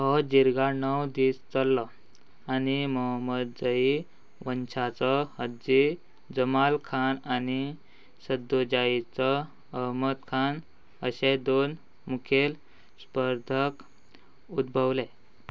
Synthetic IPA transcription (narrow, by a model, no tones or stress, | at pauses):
ɦɔd͡ʑiɾɡanəwd̪iːst͡səlːɔ | animəɦəməd̪̚d͡zəi | ʋənt͡ɕʰat͡sɔhəd͡ʑi | d͡zəmalkʰanani | səd̪od͡ʑait͡sɔː | ɦmət̪kʰan | əɕed̪on | mukʰel | spəɾd̪ʱək | ud̪̚bʱəwle